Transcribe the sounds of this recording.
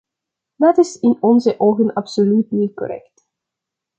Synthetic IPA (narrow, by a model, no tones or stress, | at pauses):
dɑtɪsɪnɔnzəʔoːɣənɑpsolytnit̚kɔ̰ɾɛ̰kt